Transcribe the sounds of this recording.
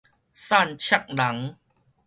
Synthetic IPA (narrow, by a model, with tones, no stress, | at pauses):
sa˥˧˨nt͡ɕʰja˥˧k̚la˨˩˦ŋ